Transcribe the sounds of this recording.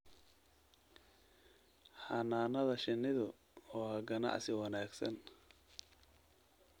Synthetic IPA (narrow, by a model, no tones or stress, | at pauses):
ħɐnaːnɐðɐʃɪnːɪðʊ | ɔːhɐɡɐnɑ̰ʕsɪwɑnaːɡsɐ̰n